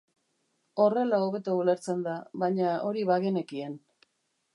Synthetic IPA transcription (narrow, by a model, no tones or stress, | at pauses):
o̞re̞laoβe̞t̪oule̞ɾt͡se̞nd̪aβaɲao̞ɾiβaɣe̞ne̞kie̞n